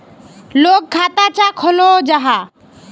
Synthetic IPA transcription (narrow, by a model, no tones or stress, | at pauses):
loːk̚kʰːat̪at͡ʃakʰoloːd͡ʒaɦa